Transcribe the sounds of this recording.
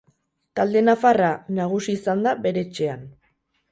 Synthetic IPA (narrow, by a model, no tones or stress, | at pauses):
t̪ald̪e̞nafaranaɣ̞usiːsand̪aβe̞ɾe̞t͡ʃe̞an